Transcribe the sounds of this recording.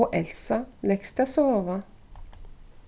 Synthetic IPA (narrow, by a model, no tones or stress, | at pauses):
oʔɛlsɑnɛkst̪əsoːʋɑ